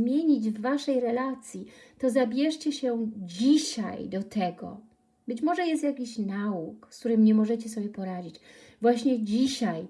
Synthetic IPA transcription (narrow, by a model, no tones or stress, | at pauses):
mʲjeɲid͡ʑvːaʂɛjɾɛlat̪sʲjit̪ɔzabʲjɛʂt͡ɕɛɕɛd͡ʑiɕa̰jd̪ɔt̪ɛɡɔ̰ | bɘt͡ɕmɔʐɛjɛst̪jakʲiɕnaukskt̪uɾɘmɲɛmɔʐɛt͡ɕɛsɔbʲjɛpɔɾad͡ʑit͡ɕ | vwaɕɲɛd͡ʑiɕaj